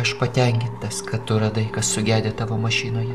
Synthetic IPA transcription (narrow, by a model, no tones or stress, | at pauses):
ɐʃpɐt̪ʲɛŋʲkʲɪnt̪ɐskɐtt̪ʊɾɐd̪ɐɪkɐssʊɡʲæːd̪ʲeːt̪ɑʋoːmɐʃʲiːnoːjɛ